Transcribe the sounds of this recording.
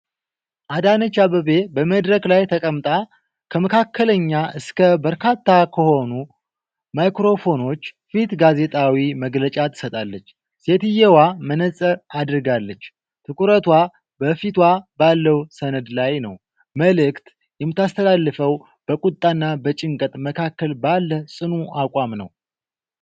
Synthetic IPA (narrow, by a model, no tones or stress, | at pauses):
ʔad̪anət͡ʃːaβəβe̞bəməd̪ɾəklajt̪ʰəkʼəmt̪ʼa | kʰəməkʰakʰːələɲːaʔɨskʰəbəɾkʰat̪ʰːakʰəho̞nu | majkɾo̞fo̞no̞t͡ʃː | fit̪ɡaze̞t̪ʼawiməɡlət͡ʃʼat̪ʰɨ̥sət̪ʼalːət͡ʃː | se̞t̪ɨjɛwamənəsʼəad̪ɨɾɨɡalːət͡ʃː | t̪ʰɨkʷʼuɾət̪wa | bəfit̪wabalːəwsənəd̪lajnəw | məlɨkt̪ | jɛmːɨt̪ːast̪ʰəlalːɨfəw | b̥əkʼut̪ʼːanːabət͡ʃʼɪŋkʼət̪ʼməkʰakːəlbalːəsʼɨnuʔakʷʼamnə̰w